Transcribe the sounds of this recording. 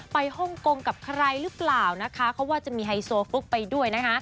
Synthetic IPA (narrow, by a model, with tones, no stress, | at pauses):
pa˧jhɔ˥˩ŋko˧ŋka˨˩p̚kʰa˧ɾa˧jɾɯ˦˥plaː˨˩wna˦˥kʰa˦˥kʰa˦˥waː˥˩t͡ɕa˨˩ʔmiː˧ɦa˧jsoː˧fu˦˥k̚pa˧jdu˥˩əjna˦˥kʰa˦˥